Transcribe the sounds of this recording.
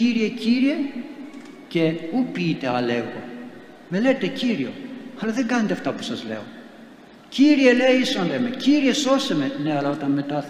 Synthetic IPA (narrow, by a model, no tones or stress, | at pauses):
ciɾieciɾie̞ | ce̞upiːt̪e̞ɐle̞ɣo̰ | me̞le̞t̪e̞ciɾio̞̰ɐlɐðe̞ŋɡɐnet̪eɐft̪ɐpu̥sɐzle̞̰o̞ | ciɾie̞le̞iisond̪emeciɾie̞so̞seme̞ne̞ɐlɐo̞t̪ɐnme̞t̪ɐ